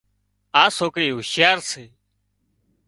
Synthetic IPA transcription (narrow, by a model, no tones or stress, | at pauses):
aːsoːkɽiːɦʊʃjaːɾseː